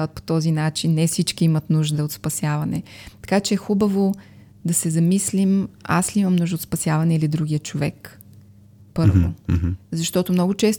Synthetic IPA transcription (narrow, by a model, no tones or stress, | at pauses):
vət̪̚po̥t̪ɔzinat͡ʃinːɛfsit͡ʃkiimɐt̪nuʒd̪əot̪spɐsjavɐnɛt̪ɐ̥kat͡ʃɛɛxubɐvo | d̪ɐsɛzɐmislima̰sliimɐmnuʒd̪ot̪spɐsjavɐnɛilid̪ɾuɡʲijət͡ʃovɛk | pɤɾvo̰zɐʃt̪ɔt̪omnɔɡot͡ʃɛst̪